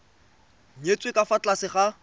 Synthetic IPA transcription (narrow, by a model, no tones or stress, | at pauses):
et͡swekʼafat͡ɬʼasɪχa